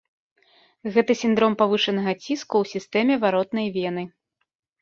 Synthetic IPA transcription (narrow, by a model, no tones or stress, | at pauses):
ɣɛt̪ɐsʲind̪ɾɔmpavɨʂɐnɐɣɐt͡sʲiskuwsʲist̪ɛmʲɛvaɾɔt̪nɐjvʲɛnɨ